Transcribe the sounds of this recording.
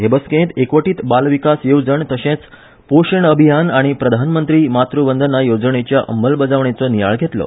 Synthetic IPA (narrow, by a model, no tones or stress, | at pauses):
ɦebəskẽt̪ekʋəʈiːt̪balʋikasjod͡zəɳt̪əɕẽt͡s | poɕeɳəbʱijanaɽ̃ipɾəd̪ʱanmənt̪ɾiːmat̪ɾubənd̪ʱənːajod͡zəɳet͡ɕjaʔə̰məlbəd͡zaʋɳet͡sɔnija̰ɭɡʱet̪lɔ̰